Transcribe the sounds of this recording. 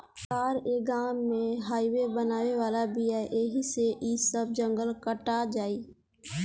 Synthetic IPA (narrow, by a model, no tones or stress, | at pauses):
kaːɾeːɡaːmːẽɦaːiwebənaːweʋaːlabiaːʔeːɦiseʔisəb̚d͡ʒə̃ŋɡəlkəʈad͡ʒaːiː